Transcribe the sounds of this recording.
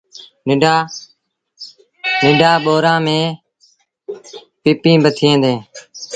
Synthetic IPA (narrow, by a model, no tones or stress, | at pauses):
nɪɖaː | nɪɖʱaːɓoːɾãːmẽː | pɪːpĩːbət̪ʰẽːd̪ẽː